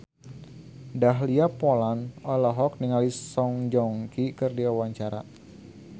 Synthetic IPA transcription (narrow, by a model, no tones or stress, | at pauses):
daɦliapolanɔlɔɦɔk̚niŋalisɔŋd͡ʒɔŋkikərdiawaɲt͡ʃaɾa